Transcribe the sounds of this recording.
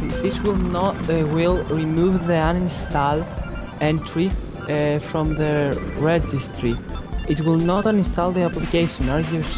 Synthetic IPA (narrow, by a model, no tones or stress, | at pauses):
ðiswilnɔtwilˠɹimuvðiãñnst̪al | ɛ̃ntɹi | fɾɔ̃mðəɹɛd͡ʒistɹiitwilˠnɔtãñnst̪alˠðiaplikejʃə̃naɹɡus